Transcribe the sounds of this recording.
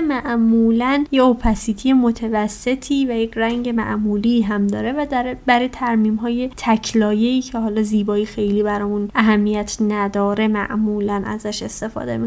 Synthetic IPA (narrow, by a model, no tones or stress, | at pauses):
mæʔmuːlænjeopʰæsit̪ʰije̞mo̞t̪ʰevæsːe̞t̪ʰiːvæjecʰɾæŋɟe̞mæ̰ʔmuːliːɦæmd̪ɒːɾe̞væd̪ɾbæɾet̪ʰæɾmiːmɦɒːje̞t̪ʰæcʰlɒːje̞iːcʰehɒːlɒːziːbɒːixe̞jliːbæɾɒːmunʔæɦæmːijæt̪ʰnæd̪ɒːɾe̞mæ̰ʔmuːlænæ̰zæʃe̞st̪e̞fɒ̰ːd̪emik